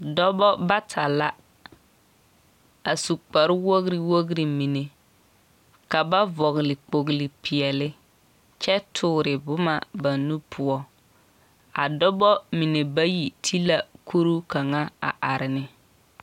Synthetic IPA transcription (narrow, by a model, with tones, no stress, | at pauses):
dɔ˦bɔ˦ba˦tʰa˨la˦ | a˨su˨k͡pa˨ɾɪ˦wo˦ɣɾi˨wo˦ɣɾi˨mi˨ne˨ | ka˨ba˦vɔ˨ɣɪ˨lɪ˨k͡po˨ɣɪ˨lɪ˨pʰɪ˨ɛ˨lɪ˦ | t͡ʃɛ˦tʰʊː˦˨ɾɪ˨bʊ˦ma̰˨ba˨nu˦pʰʊ˦ɔ˦ | a̰˨dɔ˦bɔ˦mi˨ne˨ba˦ji˨tʰi˦la˨kʰu˦ɾu˦ka˨ŋa˦a̰˨ʔa˨ɾɪ˨nɪ˦